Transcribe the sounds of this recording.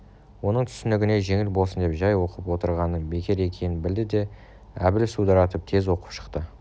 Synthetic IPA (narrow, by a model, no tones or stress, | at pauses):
wo̞nəɴt̪ʰʏ̥sɪnɪɡʲɪne̞ʒe̞ŋɪlbolˠsənd̪e̞pʒɑjwo̞qəpwo̞t̪əɾʁɑnəbe̞kʲeɾe̞kʲʰe̞jɪnbɪld̪ɪd̪e̞ | æ̰bɪlsud̪ɑɾɑt̪əp̚t̪ʰe̞zwo̞qə̥pʃə̥qt̪ə